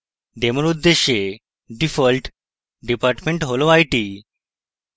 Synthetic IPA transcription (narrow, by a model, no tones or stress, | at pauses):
ɖ̪eməɾud̪ːeɕe | ɖifəlʈ | ɖipaɾʈmeɳʈɦoloajʈi